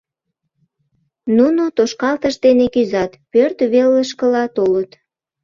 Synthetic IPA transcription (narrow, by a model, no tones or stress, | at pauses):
nunot̪oʃkɑlt̪əʃd̪enekyzɑt̪pørt̪βeləʃkəlɑt̪olət̪